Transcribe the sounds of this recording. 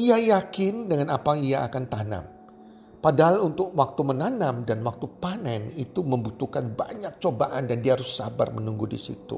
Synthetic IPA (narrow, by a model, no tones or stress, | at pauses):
iajakɪndəŋanapaŋiaakant̪ana̰m | padaɦalunt̪ʊk̚wak̚t̪umənanamdanwak̚t̪upanɛnit̪uməmbut̪ukanba̰ɲak̚t͡ʃobaʔandandiaɦaɾʊsa̰ba̰rmənuŋɡudḭsḭt̪ṵ